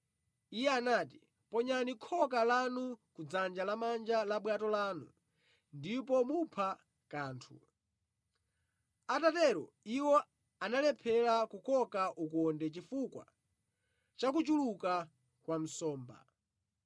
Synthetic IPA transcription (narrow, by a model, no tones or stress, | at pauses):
ijɛanaːti̥ | pɔɲanikʰɔkalanukud͡zand͡ʒalamand͡ʒalaɓwatɔlaːnu | ndipɔmupʰa | kaːntʰṵ | atatɛɾɔ̰ | iwɔ | analɛpʰɛlakukʰɔkaʔukɔndɛt͡ʃifukwa̰ | t͡ʃak̬ut͡ʃuluka | kwam̩sɔːmba̰